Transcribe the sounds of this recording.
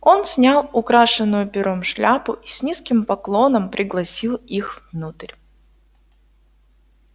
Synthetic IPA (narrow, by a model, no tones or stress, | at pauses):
o̞nsʲnʲalˠʊkɾaʂɨnːʊjʊpʲɪɾomʂlʲapʊʔisʲnʲiskʲɪmpɐklˠo̞nəmpɾʲɪɡlˠɐsʲilˠixvnut̪ɨɾʲ